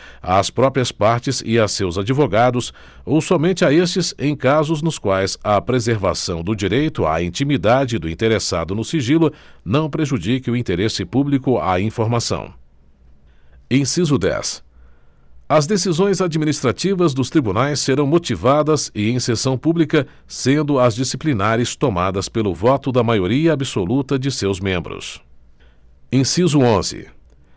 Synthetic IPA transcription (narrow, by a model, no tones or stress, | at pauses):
a̰spɾɔpɾiɐspaɾt͡ʃɪzɪ̰ɐsewzad͡ʒivoɡad̪ʊs | owsɔmẽnt͡ʃɪaes̬t͡ʃɪzẽj̃kazʊznʊskwajzɐpɾezeɾva̰sɐ̃w̃d̪ʊd͡ʒiɾejt̪ʊa̰ĩt͡ʃimid̪ad͡ʒɪd̪ʊĩnt̪eɾesa̰d̪ʊnʊsiʒilʊnɐ̃w̃pɾeʒud͡ʒikɪʊĩt̪eɾesɪpublikʊa̰ĩfoɾmasɐ̰̃w̃ | ẽj̃sizʊd̪ɛ̰s | ɐzd̪esizõj̃zad͡ʒiminist̪ɾat͡ʃivɐzd̪ʊst̪ɾibunajsːeɾɐ̃w̃mot͡ʃivad̪ɐsɪẽj̃sesɐ̃w̃publikɐ | sẽnd̪ʊɐzd͡ʒisiplinaɾɪst̪omad̪ɐspelʊvɔt̪ʊd̪ɐmajoɾiɐːbɪsolut̪ɐd͡ʒɪsewzmẽmbɾʊ̰s | ẽsizʊõzɪ̰